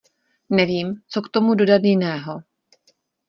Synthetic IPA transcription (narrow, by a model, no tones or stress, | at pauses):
nɛviːmt͡so̞kt̪o̞mudo̞dad̪jɪnɛːɦo̞